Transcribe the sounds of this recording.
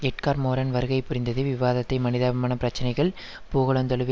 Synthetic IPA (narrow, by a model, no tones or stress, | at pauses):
ɛʈ̚kaːɾmoːɾɐnʋɐɾɯɣɐɪpːʊɾɪnd̪ɐðɯʋɪʋaːðɐt̪ːɐɪmɐnɪðɐmɐːnɐpɪɾɐt͡ʃːɐnɐɪɣɐɭ | poːɣɐɭɐnt̪ɐɭɯʋ